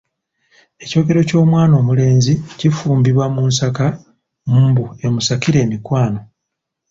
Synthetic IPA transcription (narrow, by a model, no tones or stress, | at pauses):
e̞co̞ːɡe̞ɾo̞co̞ːmwaːno̞ːmule̞ːnzicifuːmbiβwamuːnsaka | muːmbue̞musakiɾe̞ːmikwaːno̞